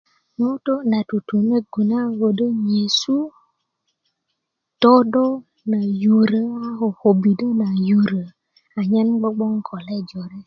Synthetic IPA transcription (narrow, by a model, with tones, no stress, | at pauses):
no˦to˦na˨tu˨tu˨me˦ɡu˨na˦wo˨də˦ɲe˨su˦ | tɔ˦do˦ | na˨ju˨ɾə˦a˦ɦo˨ho˨bi˨də˦na˨ju˨ɾə˨ | a˨ɲe˦n˦ɡ͡bə˦ɡ͡bɔ˦ŋ˦kʰɔ˨lɛ˦d͡ʒo˨ɾe˦